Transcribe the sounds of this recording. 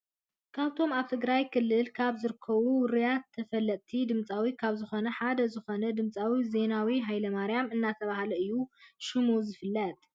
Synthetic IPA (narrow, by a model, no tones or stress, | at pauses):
kʰaβt̪ʰo̞maβt̪ʰɨɡɾajkʰɨlːɨlkʰaβzɨɾɨkʰːɐβuwʊɾijat̪ʰːɐfɐlːɐt̪ʼt̪ʰid̪ɨmt͡sʼawikʰaβzɨxo̞nɐħad̪ɐzɨxo̞nɐd̪ɨmt͡sʼawize̞nawiɦajlɐmaɾjamɨnːat̪ʰɐβahlɐɨjːuʃɪmuzɨfɨlːɐt̪ʼ